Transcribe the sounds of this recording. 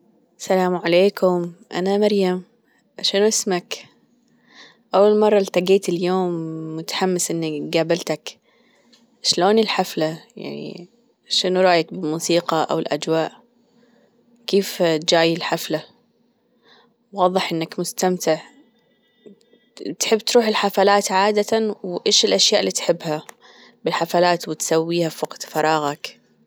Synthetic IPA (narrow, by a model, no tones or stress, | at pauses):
ʔsalaːmʕaleːkʰʊmʔa̰namaɾjam | ʃɪnuʔɪsmak | ʔawːalmɑrˤːɑlt̪aɡeːt̪ɪljoːmːʊt̪ḁħamːɪsʔɪnːaɡaːbɪlt̪ak | ʃloːnɪlħaflaja̰ʕnḭ | ʃɪnuɾˤɑːjakbɪlmuːsiːqɑʔa̰wɪlʔa̰d͡ʒwaːʔ | keːft̪̚d͡ʒaːjɪlħafla | wɑːðˤɨħʔɪnːakmʊst̪amt̪ɪʕ | t̪ħɪbːt̪ɾuːħɪlħafalaːt̪ʕaːd̪at̪awʔeːʃɪlʔaʃjaːʔlːiːt̪ħɪbːha | bɪlħafalaːt̪wɪt̪sawːiːhafʊqd̪fɑɾˤɑːɣak